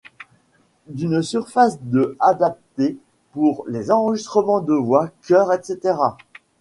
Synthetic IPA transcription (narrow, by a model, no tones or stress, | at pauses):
d̪ynsyʁfasd̪əad̪ap̚t̪e | puʁlezɑ̃ʁəʒist̪χəmɑ̃d̪əvwakʲœʁɛt̪set̪eʁa